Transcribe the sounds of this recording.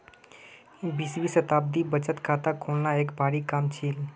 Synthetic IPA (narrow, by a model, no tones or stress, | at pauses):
biswisət̪ab̚d̪ibət͡ʃət̪kʰat̪akʰolnaekbaɽikamt͡ʃʰil